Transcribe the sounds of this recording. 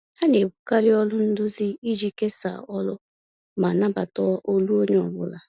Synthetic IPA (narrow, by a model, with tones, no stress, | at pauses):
a˦ne˨bu˦ka˦lɪ˦ɔ˦lʊ˦n̩˦dʊ˦zi˦i˦d͡ʒi˦ke˦sa̰˨ɔ˦lʊ˦ | ma˨na˦ba̰˨tɔ˦ʔo˦lu˦o˦ɲe˦ɔ˨bʊ̰˦la˨